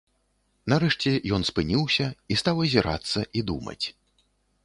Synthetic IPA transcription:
nɐɾɛʂt͡sʲɛjɔnspɨnʲiwsʲɐist̪awɐzʲiɾa̰t̪sːɐʔid̪umɐ̰t͡sʲ

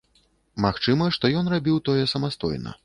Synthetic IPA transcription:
maxt͡ʂɨmɐʂt̪ɔjɔnrabʲiwt̪ɔjɛsɐmast̪ɔ̰jnɐ̰

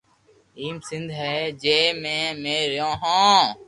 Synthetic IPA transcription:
iːmsɪ̃nd̪ʱɦɛːd͡ʒeːmẽːmeːɾjõːɦãː

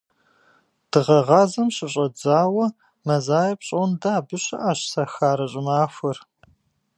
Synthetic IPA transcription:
d̥ɨʁɐʁɑːzɐmɕɪɕʼɐd͡zaːwɐ | mɐzaːjɐpɕʼondaːbɨɕɐ̰ʔaːɕsɐxaːɾɐɕʼɪmaːfʷɐr

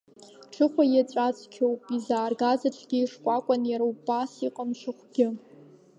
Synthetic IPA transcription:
ʈ͡ʂʰɨχʷajat͡ɕʷʼat͡sʰʼkʲʰowpʼizaːrɡazaʈ͡ʂʰʼɡʲiːʂkʷʼakʷʼanjaɾowbasiqʼəmʂɨχʷɡʲɪ

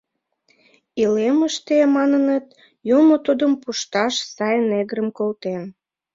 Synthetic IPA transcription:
ileməʃt̪emɑnənət̪ | jumot̪ud̪əmpuʃt̪ɑʃsɑjneɣɾəmkolt̪en

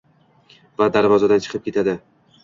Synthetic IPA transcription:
vad̪aɾvɒzad̪ant͡ʃʰɨ̥qʰɨp̚kʲe̞t̪ʰad̪ɪ

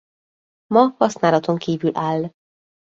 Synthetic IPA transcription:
mɒhɒsnaːlɒt̪o̞ŋkiːvylʔaːlː

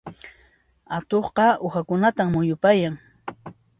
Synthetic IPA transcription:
at̪oχqɑʊxakʊnat̪ammʊjʊpajaŋ

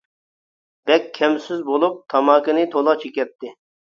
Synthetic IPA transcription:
b̥ɛkʲʰːɛmsɪzbolˠup̚t̪ʰɑmɑːkɨnɪt̪ʰolˠɑt͡ʃʰekʲɛt̪ʰːɪ

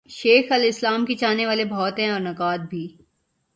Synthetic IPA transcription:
ʃeːxɐlɪslaːmkit͡ʃaːneʋaːlebʱɔːt̪ɦɛ̃ɔːɾnɐkaːd̪̚bʱiː

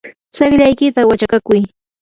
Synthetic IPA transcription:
sɑχʎajkɪt̪awat͡ʃakakʊj

